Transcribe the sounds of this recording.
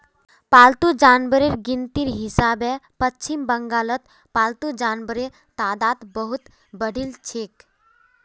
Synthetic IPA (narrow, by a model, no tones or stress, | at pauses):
paːlt̪ud͡ʒaːnbəɾeɾɡint̪iɾɦisaːbɛpətːt͡ʃʰimbəŋɡaːlət̪ | paːlt̪ud͡ʒaːnbəɾe | t̪aːd̪aːt̪bəɦut̪ | bəɽilt͡ʃʰik